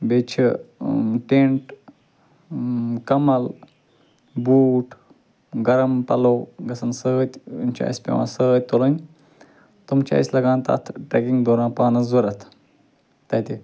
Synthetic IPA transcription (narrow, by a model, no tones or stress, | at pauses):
beːt͡ʃʰi | ʈeɳʈ | kɐmɐl | buːʈ | ɡɐɾɐmpɐloːɡɐsɐnsət̪ʲmt͡ʃʰḭsʲpʲḛʋa̰ːsət̪̚ʲt̪olɐnʲ | t̪umt͡ʃa̰sʲlɐɡãːnt̪a̰t̪ʰʈɾekĩŋɡd̪oːɾãːpaːnɐzɐɾɐt̪ʰ | t̪ɐt̪e